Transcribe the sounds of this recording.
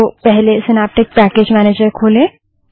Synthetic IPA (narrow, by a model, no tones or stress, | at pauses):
opɛɦlesɪnaːp̚ʈɪk̚pækeːd͡ʒmæːneːd͡ʒəɾkʰoːlẽ